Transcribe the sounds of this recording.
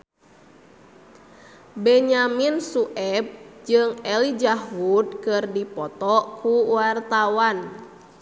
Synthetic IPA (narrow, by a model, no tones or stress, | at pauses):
bɛɲaminsuʔɛb̚d͡ʒɨŋɛlid͡ʒaɦud̪̚kɨrdipɔt̪ɔʔkuwart̪awan